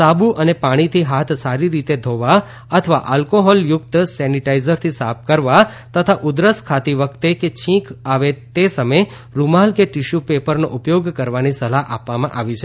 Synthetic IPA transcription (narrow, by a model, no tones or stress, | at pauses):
sabuʔənepaɽ̃it̪ʰiɦat̪ʰsaɾiɾit̪ed̪ʱoʋa | ət̪ʰəʋa̰ʔalkoɦɔljʊkt̪sɛniʈaizəɾt̪ʰisap̚kəɾʋa | t̪ət̪ʰaʔʊd̪ɾəskʰat̪iʋəkʰt̪eket͡ʃʰĩkʰaʋet̪esəməj | ɾumalkeʈiʃupepəɾnoʔupjoɡkəɾʋanisəlaʔapʋamãʔaʋit͡ʃʰe